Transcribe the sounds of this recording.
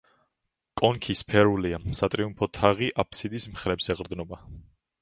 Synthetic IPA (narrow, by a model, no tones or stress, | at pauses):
kʼɔŋkʰispʰɛɾuliasat̪ʼɾiumpʰɔt̪ʰaʁiʔapʰsid̪ismχɾɛbsɛʁɾd̪nɔba